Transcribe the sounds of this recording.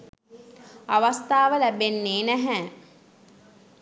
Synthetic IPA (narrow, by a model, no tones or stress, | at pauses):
aʋast̪aːʋəlæbenːeːnæɦɛː